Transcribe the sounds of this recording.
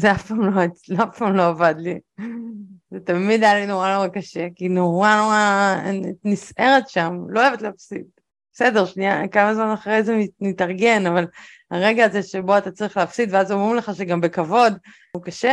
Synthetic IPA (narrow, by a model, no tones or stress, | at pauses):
zeafpaːmlo̞et͡slafpaːmlo̞avad̪li | zet̪amid̪jalino̞ʁanoʁakaʃekino̞ʁanoʁa | nisʔeʁetʃamloevet̪leafsid̪ | b̥esedeʁʃniakamazmanaχʁejzemimitɐʁɡe̞naval | aʁeɡaːzeʃeboat̪at͡saʁiχleːfsid̪veazomʁimleχaʃeɡambe̞kavo̞d̪ | ukaʃe